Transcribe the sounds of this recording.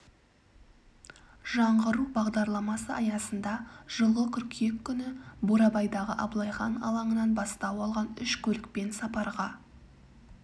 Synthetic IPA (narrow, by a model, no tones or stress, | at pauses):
ʒɑɴʁəɾubɑʁd̪ɑɾlˠɑmɑsəʔɑjɑsənd̪ɑʒ̥əlˠəkʲʰʏɾkʲʰe̞kʰʲːʏnɪboɾɑbɑjd̪ɑʁəʔɑblˠɑjχɑnɑ̰lˠɑɴənɑnbɑst̪ɑwɑlˠʁɑnʏʃkʲʰɵlɪk̚pe̞nsɑpɑɾʁɑ